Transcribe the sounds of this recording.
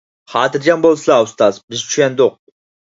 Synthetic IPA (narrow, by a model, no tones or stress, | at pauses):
χɑːt̪ʰɨɾd͡ʒɑmbolˠsɨlˠaust̪ɑzbɪzt͡ʃʰyjʲɛnd̪oq̚